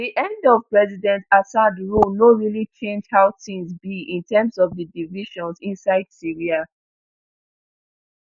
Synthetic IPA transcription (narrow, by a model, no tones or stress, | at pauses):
diʔɛ̃ndɔv̥pɹɛzidɛ̃ntasadɹolnoɹilit͡ʃẽnd͡ʒhaʊtĩnzbiĩntɛmsɔvdədiviʃɔ̃nsĩnsaɪd̥siɹia